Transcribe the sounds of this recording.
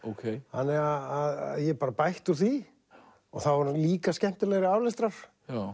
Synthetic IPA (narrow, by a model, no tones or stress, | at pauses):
okʰejhanːɛɣaaðaðjɛpaːɾapajht̪ʏɾ̥θi | ɔɣθawvɔɾliːkascɛm̥t̪ɪlɛɣɾɪaːwlɛst̪ɾaɾ̥